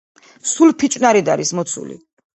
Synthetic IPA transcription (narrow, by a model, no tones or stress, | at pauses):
sulpʰit͡ʃʼnaɾid̪a̰ɾismɔt̪sʰṵlḭ